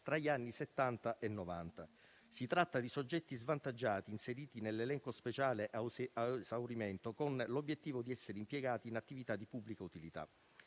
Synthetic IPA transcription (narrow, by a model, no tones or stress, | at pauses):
t̪ɾaʎianːiset̪ːant̪aʔenːovant̪a | sit̪ɾat̪ːad̪isod͡ʒːɛt̪ːizvant̪ad͡ʒːaːt̪iːnseɾiːt̪inelːelɛŋkospet͡ʃaːleʔazawɾimɛnt̪okonlobjet̪ːiːvod̪iɛsːeɾeimpjɛɡaːt̪iːnat̪ːivit̪ad̪ipubːlikaut̪ilit̪a̰